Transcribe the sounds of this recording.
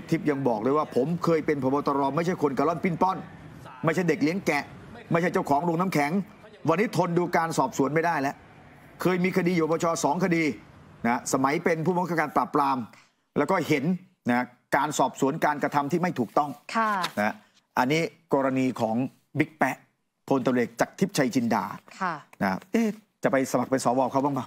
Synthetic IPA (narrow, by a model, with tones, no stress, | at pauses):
t̪ʰi˦˥p̚ja˧ŋbɔː˨˩k̚lɤː˧jwaː˥˩pʰo˩˦mkʰɤː˧jpe˧npʰɔː˧bɔː˧t̪ɔ˧ɾɔː˧ma˥˩jt͡ɕʰa˥˩jkʰo˧nka˧lɔ˥˩npi˥˩npɔ˥˩n | ma˥˩jt͡ɕʰa˥˩jde˨˩k̚li˨˦əŋkɛ˨˩ʔma˥˩jʰa˥˩jt͡ɕa˥˩wkʰɔː˩˦ŋɾo˧ŋna˦˥mkʰɛ˩˦ŋ | wa˧nːiː˦˥t̪ʰo˧nduː˧kaː˧nsɔː˨˩p̚su˨˩˦ənma˥˩jdaː˥˩jlɛ˦˥ʔ | kʰɤː˧jmiː˧kʰa˧diː˧ju˨˧bɔː˧t͡ɕʰɔː˧sɔː˩˦ŋkʰa˧diː˧na˦˥sa˧ma˩˦jpe˧npʰu˥˩bɔ˥˩kʰaː˥˩kaː˧npɾaː˨˩pːɾaː˧m | lɛː˦˥wkɔː˥˩ɦe˩˦n | na˦˥ | kaː˧nsɔː˨˩p̚su˨˩˦ənkaː˧nkɾa˧t̪ʰa˧mt̪ʰiː˥˩ma˥˩jt̪ʰuː˨˩k̚t̪ɔ˥˩ŋkʰa˧na˦ha˦˥ | ʔa˧nːiː˦˥kɔː˧ɾa˧niː˧kʰɔː˩˦ŋ | bi˦˥k̚pɛ˦˥ʔ | pʰo˧nt̪a˧leː˨˩k̚t͡ɕaː˨˩k̚t̪ʰi˦˥p̚t͡ɕʰa˧jt͡ɕʰi˧nda̰ː˨˩kʰa˩na˦˥kʰa̰˦˥˧t͡ɕa˨˩pa˧jsa˧ma˨˩k̚pe˧nsɔː˩˦wɔː˧˩wkʰa˦˥˩ba˥˩ŋba˥˩